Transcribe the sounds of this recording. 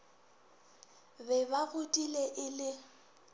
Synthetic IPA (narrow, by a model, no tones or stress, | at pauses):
bɛbaɣʊtʼileʔɪlɪ